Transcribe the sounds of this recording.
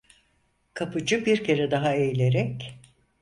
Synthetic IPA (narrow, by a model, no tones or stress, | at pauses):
kʰapʰɯd͡ʒɯbiɾcʰe̞ɾɛd̪aɦaejlʲeɾɛc